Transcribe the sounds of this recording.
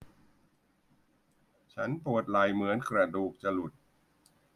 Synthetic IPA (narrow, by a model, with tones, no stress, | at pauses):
t͡ɕʰa˦˥npu˨˩ət̪̚la˨˩jmɯ˩˦ənkɾa˧duː˨˩k̚t͡ɕa˧lu˨˩t̪̚